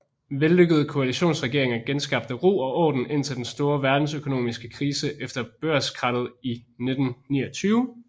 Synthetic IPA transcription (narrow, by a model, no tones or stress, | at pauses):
ʋelːøɡ̥əð̞̩ˠkʰo̝æliɕo̝̰ːnsʁɛɡ̥e̝ɐe̝ŋɐɡ̥ensɡ̥ɑ̈b̥̚d̥əʁo̝̰ːɒ̽ʔɒ̰ːd̥n̩e̝n̰t͡sʰe̝ld̥ensd̥o̝ːɐʋæɐd̥n̩søkʰo̝no̝̰ːmisɡ̥əkʰʁiːsəʔefd̥ɐb̥øɐskʰʁɑ̈d̥ð̞̩ˠine̝d̥n̩nḭːɒt͡sʰyːʊ